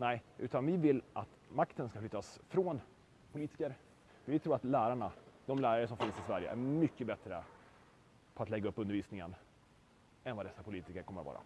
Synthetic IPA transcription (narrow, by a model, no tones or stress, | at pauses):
nɛɪʔʉ̟ːt̪anvɪvɪlːʔat̪makt̪ənskaflʏt̪ːasfɾon | pʰʊliːt̪ɪkəɾ | vɪt̪ʰɾuːɾat̪læːɾaɳad̪̥ɔmlæːɾaɾəsɔmfɪnsɪsvæɾjə̰ʔæ̰ɾmʏkːəbɛt̪ɾə̰ | pʰɔat̪lɛɡːaɵpːɵnd̪ɾviːsnɪŋə̰n | ɛnvad̪ɛsːapʰʊliːt̪ɪkəɾkʰɔmːəɾvɑ̰ːɾa̰